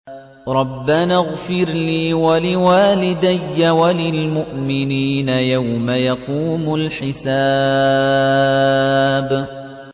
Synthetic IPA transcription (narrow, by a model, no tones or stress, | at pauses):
ɾˤɑbːanaɣfɪɾliːwalɪwaːlɪd̪ajːawalɪlmʊʔmɪniːnajawmajɑquːmʊlħɪsaː | b